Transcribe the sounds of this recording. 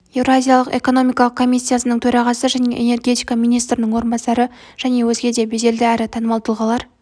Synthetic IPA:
je̞vɾoazʲijalˠəqe̞̰ko̞no̞mijkɑlˠəq̚kʰːo̞misʲːijasənəɴt̪ʰɵɾɑʁɑsəʒæne̞̰ʔene̞rɡʲe̞t̪ijkɑmijnijst̪ɾɪnɪŋwo̞ɾənbɑsɑɾə | ʒ̥æne̞wɵzɡʲe̞d̪e̞beʒe̞ld̪ɪæɾɪt̪ʰɑnəmɑlˠt̪əlˠʁɑlˠɑɾ

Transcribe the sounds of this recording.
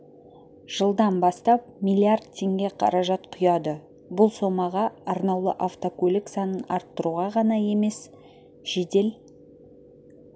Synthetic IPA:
ʒ̥əlˠd̪ɑnbɑst̪ɑp̚mijlʲˠiard̪̚t̪ʰːe̞ŋɡʲe̞qʰɑ̰ɾɑʒɑt̪qʰʊjɑd̪ə | bʊlˠso̞mɑʁɑɑɾnɑwlˠə̰ʔaft̪okʰɵlɪksɑnənɑɾt̪ːəɾuʁɑʁɑnɑje̞me̞s | ʒ̥ed̪e̞l

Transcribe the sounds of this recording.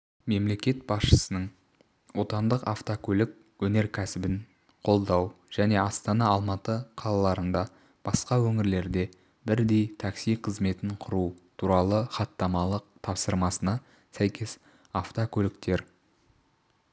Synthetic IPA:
me̞mle̞kʲe̞t̪̚bɑsʃə̥sənəɴ | wo̞t̪ɑnd̪əqaft̪okʲʰɵlɪk̚ | wɵne̞ɾkʲʰæsɪbɪn | qʰo̞lˠd̪ɑwʒ̥æne̞ɑst̪ɑnɑːlˠmɑt̪əqʰɑlˠɑlˠɑɾənd̪ɑ | b̥ɑsqɑwɵŋɪɾle̞ɾd̪e̞ | bɪɾd̪e̞jt̪ʰɑksijqʰəzme̞t̪ɪɴqʰʊɾut̪ʰuɾɑlˠəχɑt̪ːɑmɑlˠəq̚t̪ʰɑpsəɾmɑsənɑ | sæjkʲe̞s | aft̪okʲʰɵlɪkt̪e̞ɾ

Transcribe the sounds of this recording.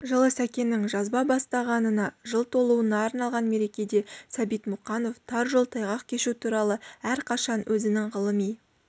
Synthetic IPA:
ʒəlˠəsækʲe̞nɪŋʒɑzbɑbɑst̪ɑʁɑnənɑʒəlˠt̪ʰo̞lˠuwənɑːɾnɑlˠʁɑnme̞ɾe̞kʲe̞d̪e̞sɑbijt̪mʊqɑno̞ft̪ʰɑɾʒolˠt̪ʰɑjʁɑqkʲʰe̞ʃut̪ʰuɾɑlˠəæɾqʰɑʃɑnwʔɵzɪnɪŋʁəlˠəmij

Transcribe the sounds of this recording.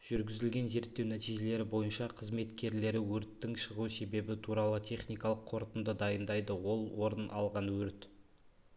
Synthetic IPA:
ʒ̥ʏɾɡʲɪzɪlɡʲe̞nze̞ɾt̪ːe̞wnæt̪ijʒe̞le̞ɾɪbo̞jənʃɑqʰəzme̞t̪kʲe̞ɾle̞ɾɪwɵɾt̪ːɪŋʃəʁuse̞be̞bɪt̪ʰuɾɑlˠət̪ʲʰe̞χnijkɑlˠəqʰːo̞ɾt̪ənd̪əd̪ɑjənd̪ɑjd̪əwo̞lˠwo̞ɾənʔɑ̰lˠʁɑnwɵɾt̪

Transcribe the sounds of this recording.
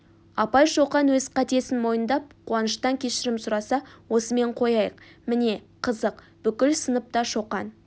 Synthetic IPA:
ɑpɑjʃoqɑnwɵzqʰɑt̪e̞sɪnmo̞jənd̪ɑp̚qʰuɑnəʃt̪ɑŋkʲʰe̞ʃɪɾɪmsʊɾɑsɑwo̞səme̞ɴqʰo̞jɑjəqmɪne̞ | qʰəzəq | b̥ʏkʲɪlsənəp̚t̪ɑʃoqɑn

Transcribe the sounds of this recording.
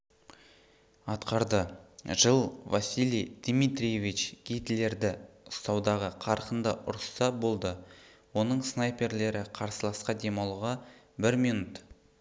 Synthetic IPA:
ɑt̪qɑɾd̪əʒəlˠvasʲilʲˠijd̪̥mit̪ɾʲijevit͡ʃɡ̥ʲit̪le̞ɾd̪ɪʊst̪ɑwd̪ɑʁəqʰɑɾqənd̪əʔʊ̰ɾst̪ɑbo̞lˠd̪ə | wo̞nəɴsnɑjpe̞ɾle̞ɾɪqʰɑɾsəlˠɑsqɑd̪e̞mɑlˠʁɑ | bɪɾmijnut̪

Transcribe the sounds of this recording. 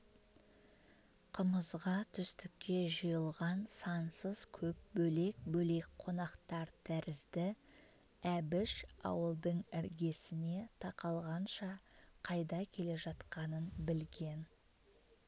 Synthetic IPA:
qʰəməzʁɑt̪ʰʏst̪ɪkʲːe̞ʒəjəlˠʁɑnsɑnsəz̥kʲʰɵp̚bɵle̞k̚bɵle̞k̚qʰo̞nɑqt̪ɑɾt̪ʰæɾɪzd̪ɪ | æbɪʃɑ̰wəlˠd̪əɴɪɾɡʲe̞sɪne̞t̪ʰɑqɑlˠʁɑnʃɑqʰɑjd̪ɑkʲʰe̞le̞ʒɑt̪qɑnənbɪlɡʲe̞n

